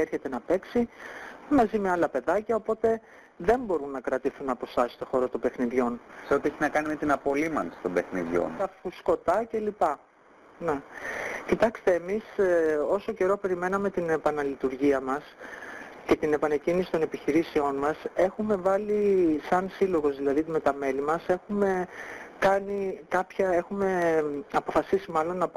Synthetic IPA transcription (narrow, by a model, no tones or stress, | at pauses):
eɾçe̞t̪e̞nɐpe̞ksimɐzime̞ɐlɐpe̞ðɐcɐopo̞t̪e̞ | ðe̞mbo̞ɾunːɐkɾɐt̪iθunɐpo̞sɐst̪o̞xo̞ɾot̪o̞mbe̞xniðʝo̞nseo̞t̪ieçinɐkɐnime̞t̪inɐpo̞limɐ̰nst̪o̞mbe̞xnḭðʝo̞̰nt̪ɐfusko̞t̪ɐce̞lipɐ | ne̞cit̪ɐkst̪e̞ːmiso̞so̞ce̞ɾo̞pe̞ɾime̞nɐme̞t̪ine̞pɐnɐlit̪uɾʝiɐmɐs | ce̞t̪ine̞pɐnecinisi̥t̪o̞nepiçiɾiseo̞nmɐse̞xume̞vɐlisɐnsilo̞ɣo̞zðilɐðit̪me̞t̪ɐme̞limɐse̞xume̞kɐnikɐpçɐe̞xume̞ɐpo̞fɐsisimɐlo̞nːɐ